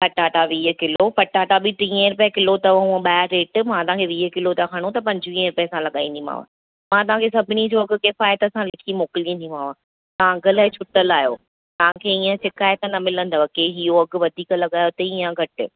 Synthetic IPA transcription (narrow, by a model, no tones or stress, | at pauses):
pʰɐʈaːʈaʋiːɦəkɪlopɐʈaːʈabiʈ̪ĩːə̃ɾʊpekɪlot̪ɐʋɐɦũɓaːɾeːʈmãt̪ɐãːkʰeʋiːɦəkɪlot̪ɐkʰɐɽ̃ot̪ɐpɐ̃ɲd͡ʑɪʋĩːə̃ɾʊpesãlɐɠa̰ːĩn̆d̪ĩma̰ːʋã̰ | mãt̪̬ɐʋ̤ãkʰeːsɐbʱɪnid͡ʑoɐɡ̆kɪfaːjət̪ɐsãlɪkʰimoːkɪlij̃nd̪ĩmãːʋã | t̪ɐʋ̤ãɡəlaːɪt͡ɕʰʊʈəlaːɦjoː | t̪ɐʋãkʰeːiːə̃sɪkaːjət̪nɐmɪlə̃nd̪aʋɐkeɦijoɐɡʋɐd̪ʱiːklɐɠaːjot̪ɐiːə̃ɡʱɐʈɪ